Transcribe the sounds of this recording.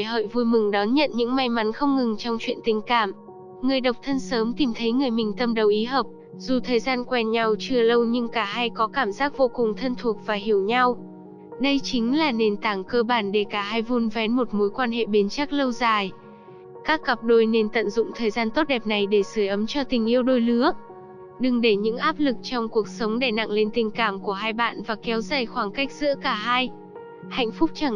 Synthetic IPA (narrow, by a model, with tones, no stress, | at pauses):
ɦə̰ː˧˨jvu˧jmɨ˨˩ŋɗɔ˨˦nɲə̰˧˨nɲɨ̰˧˥ŋma˨˧jma˨˦nxə˧wŋ͡mŋɨ˨˩ŋt͡ɕɔ˧wŋ͡mt͡ɕwḭ˧ənt̪ï˨˩ŋ̟ka̰ː˧˨m | ŋɨ˨˩əjɗə˨˩wk͡p̚t̪ʰə˧nsəː˨˦mt̪i˨˩mt̪ʰə˨˦jŋɨ˨˩əjmï˨˩ŋ̟t̪ə˧mɗə˨˩wʔi˨˦ɦəː˨˩p̚ | zu˨˩t̪ʰəː˨˩jzaː˧nkwɛ˧nɲa˧wt͡ɕɨ˧ələ˧wɲɨ˧ŋkaː˧˩ɦaː˧jkɔ˨˦kaː˧˩mzaː˦˥k̚vo˧kʊ˨˩ŋ͡mt̪ʰə˧nt̪ʰu˨˩ək̚vaː˨˩ɦi˧˩əwɲa˧w | ɗə˧jt͡ɕï˨˦ŋ̟laː˨˩ne˨˩nt̪aː˧˩ŋkəː˧ɓaː˧˩nɗe˧˩kaː˧˩ɦaː˧jvu˧nvɛ˨˦nmo˨˩t̚mo˨˦jkwaː˧nɦḛ˧˨ɓe˨˦nt͡ɕa˦˥k̚lə˧wzaː˨˩j | kaː˦˥kːə˨˩p̚ɗo˧jne˧nt̪ə̰˧˨nzʊ̰˧˨ŋ͡mt̪ʰəː˨˩jzaː˧nt̪o˦˥t̚ɗɛ˨˩p̚na˨˩jɗe˧˩sɨ˧˩˨jʔə˨˦mt͡ɕɔ˧t̪ï˨˩ŋ̟ʔi˧əwɗo˧jlɨ˨˦ək̚ | ɗɨ˨˩ŋɗe˧˩ɲɨ̰˧˥ŋʔaː˦˥p̚lɨ˨˩k̚t͡ɕɔ˧wŋ͡mku˨˩ək̚sə˨˦wŋ͡mɗe˧˩na̰˧˨ŋle˧nt̪ï˨˩ŋ̟kaː˧˩mku˧˩əɦaː˧jɓa̰ː˧˨nvaː˨˩kɛ˨˦wzaː˨˩jxwaː˧˩ŋka˦˥jk̟̚z̥ɨ̰˧˥əkaː˧˩ɦaː˧j | ha̰˧˨jŋ̟fʊ˦˥k͡p̚t͡ɕa˧˩ŋ